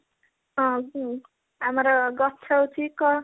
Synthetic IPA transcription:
ʌ̃ | ɦamɾʌɡʌt͡sʰʌwt͡sʰikʌ

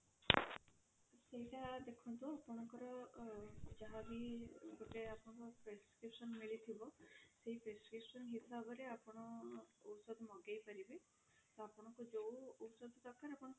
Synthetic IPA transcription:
seɦiʈad̪ekʰɔnt̪uapɔɽ̃ɔŋkɔɾɔ | d͡ʒaɦabiɡoʈeapɔɽ̃ɔŋkɔpɾeskɾipsɔnmiɭit̪ʰibɔseɦipɾeskɾipsɔnɦisabɔɾeapɔɽ̃ɔːwsɔd̪ʱmɔɡajpaɾibe | t̪oapɔɽ̃ɔŋkud͡ʒowowsɔd̪ʱɔt̪ɔkʰaɾapɔɽɔ̃

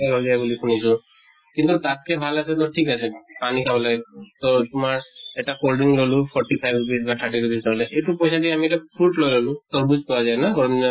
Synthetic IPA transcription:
lɔjzajbulikʰunisɔ | kint̪utatkɛbʱalasɛt̪̬ɔʈʰikasɛpanikʰabɔlaɡɛt̪ɔtʊmaɹɛtakolɖiŋlolʊpʰɔɹʈipʰajbbisbatʰaɹʈitudistɔɹlɛʔejtupojsadiɛamiɛtapʰɹuʈlojlolʊ̃t̪ɔɹbuzpɔwazajnaɡɔɹɔmniɔ

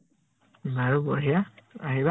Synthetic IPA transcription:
baɹubɔɦijaaɦiba

